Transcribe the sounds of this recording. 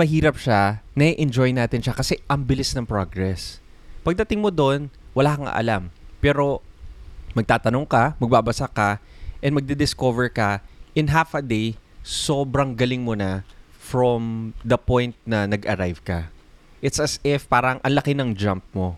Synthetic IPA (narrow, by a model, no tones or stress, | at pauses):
mɐɦiːɾɐpʃanɐiʔɛnd͡ʒo̞jnaːt̪ɪnʃɐkɐsɛʔɐŋbɪlɪsnɐŋpɹoɡɹɛs | pɐɡ̚d̪ɐt̪ɪŋmod̪o̞nwɐlaːkɐŋɐ̰ʔɐ̰lampɛːɾo̞ | mɐɡ̚t̪aːt̪ɐnoŋkɐmɐɡ̚babɐsakɐʔɛnmɐɡ̚d̪ɪd̪ɪsko̞vɛɹkɐʔɪnɦafɐd̪ejso̞ːbɾɐŋɡɐlɪŋmonɐfɹomd̪ɐpojnt̪̚nɐnɐɡʔɐɾajvkɐ | ʔɪt̪sɐsɪfpaːɾɐŋʔɐnlɐkɪnɐŋd͡ʒamp̚mo̞